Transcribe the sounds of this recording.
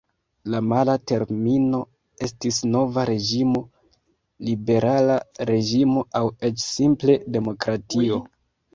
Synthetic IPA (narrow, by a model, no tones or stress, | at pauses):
lamalate̞ɾmino̞ | e̞stisno̞vaɾe̞d͡ʒimo̞ | libe̞ɾalaɾe̞ʒimo̞ʔawe̞t͡ʃsimple̞de̞mo̞kɾatio̞